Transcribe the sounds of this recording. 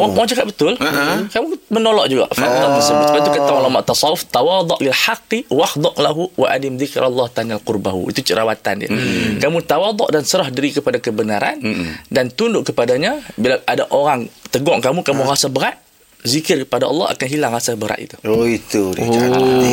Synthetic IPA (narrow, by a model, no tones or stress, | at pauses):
oɣaŋoɣaŋd͡ʒakat̪̚bət̪ʊlakamumənolɔʔd͡ʒuɡa̰ʔfaaməsəbʊkat̪ukət̪aŋulamaʔt̪ɑsɑʊft̪awɑd̪ˤɔʔlɪlħaqːiwahd̪ˤɑʔlaɦuwʔa̰ʔa̰dɪmðɪkɾalːɑht̪analqʊrbaɦṵḭt̪ut͡ʃəɾawat̪a̰ndia̰kamũt̪awɑd̪ˤɔʔdansəɾahdiɾikəpadakəbənaɾa̰ndant̪undʊʔkəpadaɲabilaʔadaʔoɾaŋt̪əɡɔŋkamukamuɾasabəɾaʔ̪ | zikɪrkəpadaɑ̰lːɑ̰ɦa̰kanɦilaŋɾasabəɾa̰ʔ̪ḭt̪u̥oit̪u